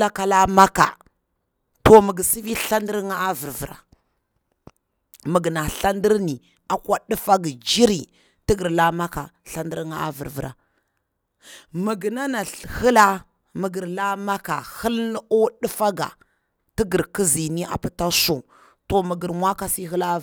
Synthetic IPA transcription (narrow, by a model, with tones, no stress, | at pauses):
la˦ka˨la˦ma˦ka̰˨ | to˨mə˨ɡə˨si˦vi˦ɬa˦ndi˦ɾŋa˦a˦və˨ɾvə˨ɾa̰˨ | mə˨ɡna˨ɬa˦ndi˦ɾni˨ | a˨kwa˦ɗi˦fa˦ɡi˨d͡ʒi˦ɾi˨ | ti˦ɡə˨ɾla˦ma˦ka˨ɬa˦ndə˦ɾŋa˦a̰˦və̰˨ɾvə˨ɾa̰˨ | mə˨ɡna˦na˨hə˦la˦ | mə˨ɡə˨ɾla˦ma˦ka˨hə˦lnə˦o˦ɗi˦fa˦ɡa̰˨ | ti˦ɡə˨ɾki˦zi˨ni˦a̰˨pi˦ta˦so˨ | to˨mə˨ɡə˨ɾmʷa˦ka˦si˦ɦə˦la˦